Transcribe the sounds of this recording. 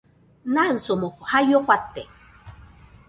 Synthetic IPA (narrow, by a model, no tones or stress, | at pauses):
naɨsomoχʷhajoχʷat̪e